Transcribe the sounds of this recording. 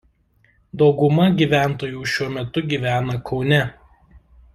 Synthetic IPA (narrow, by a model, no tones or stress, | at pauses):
d̪ɒʊɡʊmɐɡʲiːˑʋʲæˑnt̪oːjuːʃʲuɔmʲɛt̪ʊɡʲiːʋʲæːnɐkʰɒʊnʲɛ